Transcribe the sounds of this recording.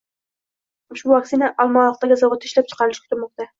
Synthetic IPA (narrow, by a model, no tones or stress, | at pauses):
ʊʃbʊvak̚t̪inaʔɒlˠmɒlˠɑq̚t̪aɡʲazavot̪ʰːɪʃlap̚t͡ʃʰɨ̥qʰɑɾlɪʃkʰʲʊ̥t̪ɪɾmɒq̚t̪a